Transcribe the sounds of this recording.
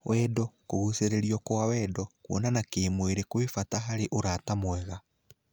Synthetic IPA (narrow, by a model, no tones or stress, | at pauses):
wʔɛdɔkoɣuseɾeɾiɔkoawɛːdɔkwɔ̰nanakeːmweɾekwefataɦaɾeʔoɾatamwɛɣa